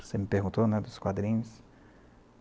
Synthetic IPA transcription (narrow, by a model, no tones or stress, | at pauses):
semɪpeɾɡũnt̪onɛd̪ʊskwad̪ɾĩɲʊs